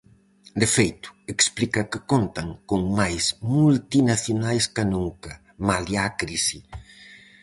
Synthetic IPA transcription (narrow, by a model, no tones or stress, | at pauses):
d̪efejt̪ʊ̥eksplikɐkɪkont̪ɐŋkoŋmajsmult̪inaθjonajskanuŋkɐ | maliakɾisi